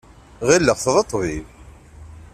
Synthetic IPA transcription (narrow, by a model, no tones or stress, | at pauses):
ʁilːəʁθðˤɑt̪ˤːviv